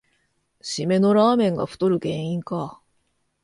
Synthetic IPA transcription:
ɕime̞no̞ɾaːmẽ̞ŋɡa̰ɸɯ̥t̪o̞ɾɯ̟ɡẽ̞ɰ̃ĩŋka

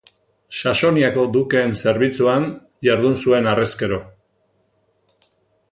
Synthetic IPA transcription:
ʃaʃo̞niako̞d̪uke̞ːnse̞ɾβit͡suan | ʝaɾðunsue̞nareske̞ɾo̞

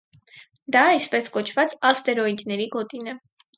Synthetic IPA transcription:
d̪ɑispɛskɔt͡ʃʰvɑt͡sɑst̪ɛɾɔid̪nɛɾiɡɔt̪inɛ

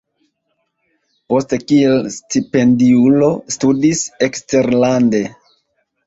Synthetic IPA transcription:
po̞ste̞kielstipe̞ndiulo̞studisekste̞ɾlande̞

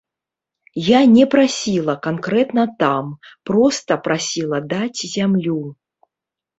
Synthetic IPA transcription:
janʲɛpɾasʲilˠɐkankɾɛt̪nɐt̪ampɾɔst̪ɐpɾasʲilˠɐd̪at͡sʲzʲamlʲu

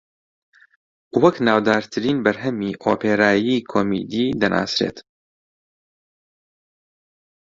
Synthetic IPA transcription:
wɐknaːwd̪aːɾt̪ʰɨɾiːnbɐɾɦɛmiːʔoːpeːɾaːjiːkʰoːmḭːd̪iːd̪ɐnʔa̰ːsɾḛːt̪

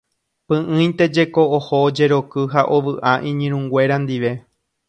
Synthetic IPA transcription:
pɨ̃ʔɨ̃j̃t̪e̞d͡ʒe̞koohod͡ʒe̞ɾo̞kɨɦaʔo̞ʋɨʔaʔĩɲĩɾ̃ũŋɡwe̞ɾand̪iʋe̞

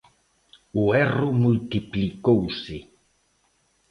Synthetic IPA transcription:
uɛrumult̪iplikowsi

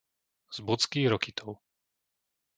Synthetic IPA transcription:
z̥but͡skiːɣɾɔkit̪ʰɔʊ

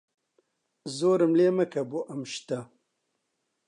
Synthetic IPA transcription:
zoːɾɨmleːmɐkɐboʔamʃt̪a

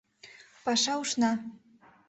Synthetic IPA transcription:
pɑʃɑuʃnɑ

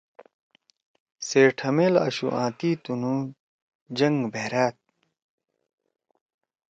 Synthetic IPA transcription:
seːʈʰɐmeːlɐ̰ɕṵʔã̰ːt̪iːt̪unũː | d͡ʑɐŋɡbʱeːɾaːt̪̚

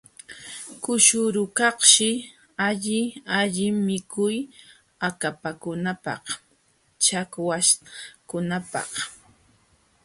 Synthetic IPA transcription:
kʊʃʊɾʊkɑχʃɪ | aʎɪaʎɪmɪkʰʊj | akapakʊnapɑ̰q | t͡ʃakwaʃkʊnapɑ̰χ

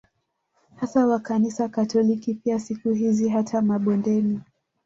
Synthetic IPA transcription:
hasawakanisakatɔlikipiasikuɦiziɦatʰamaɓɔndɛni

